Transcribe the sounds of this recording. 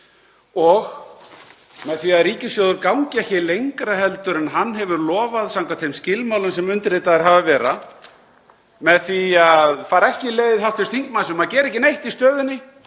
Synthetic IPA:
ɔɣ | mɛðθviaðɾiːcɪsjoːwðʏɾkawŋcɪɛhçɪlejŋkɾaɦɛlt̪ʏɾɛnɦanːɦɛvʏɾlɔːvaðsawŋkat̪femscɪlmawlʏnsɛmʏnt̪ɾɪt̪aðɛɾ̥ɦavavɛːɾa | mɛðθviaðfaːɾaɛhcɪlejðɪðhawht̪fɪst̪θiŋkmansnmaðcɛːɾɪɛhcɪnejht̪ist̪œːðʏnːɪ

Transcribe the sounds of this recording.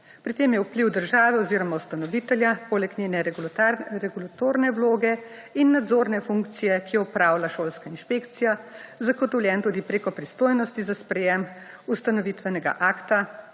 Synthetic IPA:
pɾit̪ːemjɛwpliwd̪əɾʒaːʋɛɔziɾɔmaust̪anɔʋit̪ɛljapoːlɛknʲeːnɛ | ɾɛɡulat̪oːɾnɛwloːɡɛ | inːad̪zoːɾnɛfuŋkt̪sijɛkijɔɔpɾawlaʃoːlskainʃpekt̪sijazaɡɔt̪ɔwljɛnt̪uːd̪ipɾeːkɔpɾist̪oːjnɔst̪izaspɾɛjɛm | ust̪anɔʋit̪ʋɛnɛɡa̰ʔaːkt̪a

